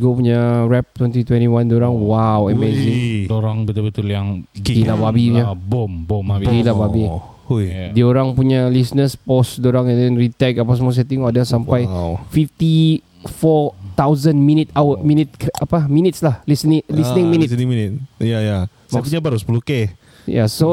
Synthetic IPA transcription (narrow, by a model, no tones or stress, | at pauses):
ɡopuɲaɹɛp̚t̪wɛ̃nt̪it̪wɛ̃ntiwãndoɾaŋwawəmeziŋdoɾaŋbət̪ulbət̪ʊljaŋilababiɲabɔmbɔmɡilababi | ujdioɾaŋpuɲalisnəspɔsdoɾaŋɛ̃ndɛnɹit̪ɛkapas̬əmɔs̬ɛt̪ĩŋoadasampajfift̪i | fɔt̪awzənmĩnit̪awəminit̪̚kapaminit̪slahlisniŋlisnĩŋminisminit̪̚jaja | smapuɲabaɾuspuluke | ja̰so